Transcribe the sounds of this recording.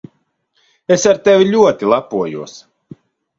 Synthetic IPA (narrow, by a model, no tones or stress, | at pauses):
esaɾt̪evʲiʎʲuɔt̪ilˠapuɔjuɔəs